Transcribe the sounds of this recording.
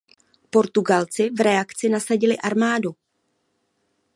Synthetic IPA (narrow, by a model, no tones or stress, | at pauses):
po̞ɾt̪uɡalt͡sɪvɾɛakt͡sɪnasaɟɪlɪʔaɾmaːdu